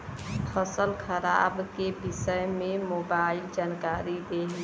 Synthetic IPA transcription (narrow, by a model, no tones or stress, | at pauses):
pʰəsəlkʰəɾa̰bkebisəjmemobaild͡ʒankaɾid̪eɦl